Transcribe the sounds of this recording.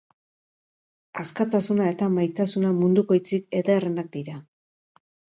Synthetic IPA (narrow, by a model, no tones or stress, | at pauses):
askat̪asunae̞t̪amajt̪asunamund̪uko̞jt͡sik̚e̞ðerenak̚d̪iɾa